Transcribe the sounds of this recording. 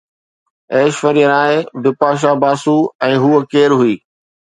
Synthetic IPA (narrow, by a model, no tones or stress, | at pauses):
eːʃʋəɾijənaːɦebɪpaːʃ̬abaːsuɛ̃ːɦuːəkeːɾɦʊiː